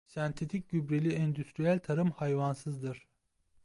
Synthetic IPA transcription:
sɛnt̪ʰet̪ʰic̚ʲɟybɾelʲiɛnd̪yst̪ɾijælʲt̪ʰaɾɯmhajvansɯzd̪ɯɾ̥

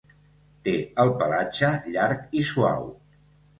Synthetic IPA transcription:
t̪eəlˠpəlat͡ʃəʎaɾkisua̰w

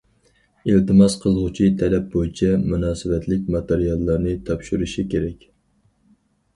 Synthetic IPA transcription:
ilt̪ɨmɑzqʰəzˠʁʊt͡ʃʰit̪ʰɛlɛp̚bojit͡ʃʰɛmunɑːsɨvɛt̪ʰlɪk̚ʲmɑt̪eɾijɑlˠːɑɾnɨt̪ʰɑpʃuɾuʃikʲeɾɛkʲ

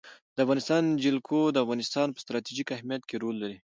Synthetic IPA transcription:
d̪əafɣɑnɪst̪ɑnd͡ʒɪlkʰod̪əafɣɑnɪst̪ɑnpə̥st̪ɾɑt̪iʒikahmijat̪keɾolːaɾi

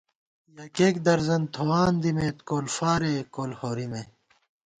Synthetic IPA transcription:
jɐːkeːkd̪ɐɾzɐnt̪ʰowaːnd̪imeːt̪koːlfaːɾeːkoːlhoːɾime

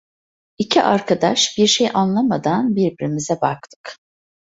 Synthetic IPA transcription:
icʰiʔaɾkʰad̪aʃbiɾʃejʔanlˠamad̪anbiɾbiɾimizɛbak̚t̪ʰɯ̥k

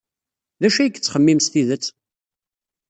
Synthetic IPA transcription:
ðæʃæjəkːt͡sːχəmːimst̪iðət͡sː

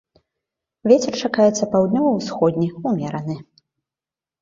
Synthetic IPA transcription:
vʲet͡sʲɛrt͡ʂakajɛt̪sːɐpawd̪ʲnʲɔvɐwsxɔd̪ʲnʲiumʲɛɾɐnɨ

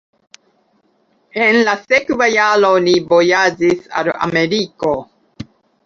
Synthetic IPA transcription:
enlasekvajalonibojad͡ʒisa̰la̰meɾiko

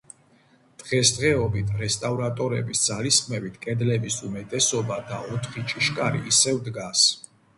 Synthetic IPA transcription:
d̪̥ʁɛsd̪ʁɛɔbit̪ʰɾɛst̪ʼavɾat̪ʼɔɾɛ̰bisd̪zaliskʰʼmɛvit̪ʰkʼɛd̪lɛbisumɛt̪ʼɛsɔbad̪aɔt̪ʰχit͡ʃʼiʃkʼaɾḭʔːsɛvd̪ɡas

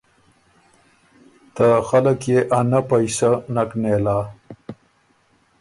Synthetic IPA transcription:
t̪axaləkjeʔanapajsanaknelaː

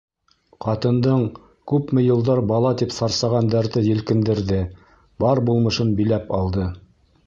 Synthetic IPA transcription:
qɑt̪ɤ̆nd̪ɤɴ | kʉpmɘ̆jɤ̆lˠd̪ɑɾbɑlˠɑt̪ipsɑɾsɑʁɑnd̪ɑɾðɤjɘ̆lkɘ̆nd̪ɘ̆ɾðɘ | bɑɾbulˠmɤ̆ʃɤnbilæpɑlˠd̪ɤ

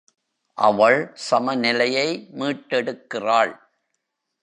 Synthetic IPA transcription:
ʔɐ̰ʋɐɭsɐmɐnɪlɐjɐɪmiːʈːɛɽɯkːɪraːɭ

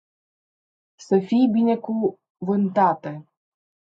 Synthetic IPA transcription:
səfijbʲineku | vɨnt̪at̪e

